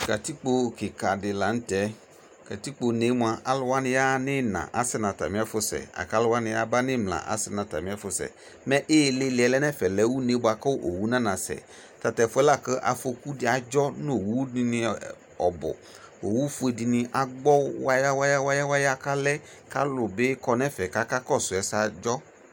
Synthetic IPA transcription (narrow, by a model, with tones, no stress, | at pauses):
ka˨ti˦k͡po˨kɪ˨ka˨dɪ˨la˨n̩˦tɛ˦ | ka˨ti˦k͡po˨ne˨˦mu˨a˨ʔa˦lʊ˦wa˦nɪ̃˨ja˦nɪ˦nã̰˨ʔa˨˦sɪ˦nã˨ta̰˨mɪ̃˨˦a˦fʊ˦sɛ̰˨a̰˨ka˨˦lʊ˦wa˦nɪ̃˨ja˦ba˦nɪ̃˦mla̰˨ʔa̰˦sɪ˦nã˨ta̰˨mɪ̃˦a˦fʊ˨˦sɛ̰˨ | mɛ̃˦ʔe˦˨lɪ˦lɪ˨ɛ˨lɛ˦nɛ˦fɛ˨lɛ˦wu˦ne˦bʊ˨a˨kɔ˦wʔo˨wu˦nã˦nã˨sɛ̰˨ | ta˨tɛ˨fʊ˦ɛ˦la˦˨kə˦ʔa̰˨fo˧ku˦dɪ˨a˨d͡ʒɔ˦n˦o˨wu˦di˧nɪ̃˧ | ɔ˨bʊ̰˨ | o˨wu˦fʊ˦e˨di˧nɪ˧ʔa˨ɡ͡bɔ˦wa˦ja˦wa˦ja˦wa˦ja˦wa˦ja˦ka˦lɛ˦ | ka˦lʊ˨be˦kɔ˦nɛ˦fɛ˨ka˦ka˦kɔ˦˨sʊ˨ɛ˨˦sa˨d͡ʒɔ˦